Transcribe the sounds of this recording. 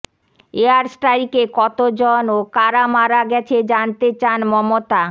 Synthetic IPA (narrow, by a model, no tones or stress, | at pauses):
eaɾsʈaɾikekɔt̪od͡ʑonokaɾamaɾaɡɛt͡ɕʰed͡ʑant̪et͡ɕanmɔmot̪a